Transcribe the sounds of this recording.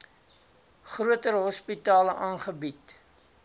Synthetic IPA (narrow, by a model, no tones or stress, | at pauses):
χruətəɾɦɔspitɑːləʔɑːnχəbit